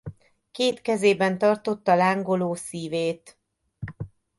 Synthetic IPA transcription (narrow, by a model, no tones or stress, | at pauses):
keːt̪kɛzeːbɛnt̪ɒrt̪o̞t̪ːɒlaːŋɡoloːsiːveːt̪